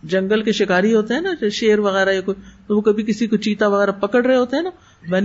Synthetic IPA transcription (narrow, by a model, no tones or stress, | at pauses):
d͡ʒɐ̃ŋɡəlkeʃɪkaːɾiɦoːt̪eɦɛ̃naʃeːɾʋɐɣɛːɾajakoit̪oʋokɐbʱik̬ɪsikot͡ʃiːt̪aʋɐɣɛːɾapɐkəɽɾɐɦeɦoːt̪eɦɛːna | bɐn